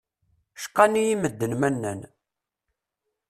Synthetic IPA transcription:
ʃqːɑnijiməd̪ːənmænːæ̰n

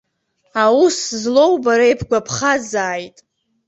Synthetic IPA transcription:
awuszlo̞wbaɾaejpʰɡʷapʰχazaːjtʼ

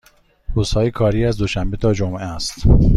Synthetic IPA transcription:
ɾuːshɒːjekʰɒːɾiːæzd̪o̞ʃæmbe̞t̪ʰɒːd͡ʒomʔæst̪

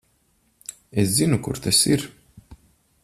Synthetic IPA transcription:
eszinukṵɾt̪asiɾ

